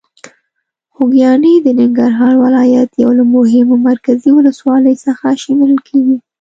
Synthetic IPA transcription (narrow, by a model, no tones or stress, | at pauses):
xʊɡjɑnid̪ənɪŋɡaɾɦɑɾwɪlɑjat̪jawlamʊɦɪmomaɾkaziwʊləswɑləjsəxaʃimeləlkʰeɡi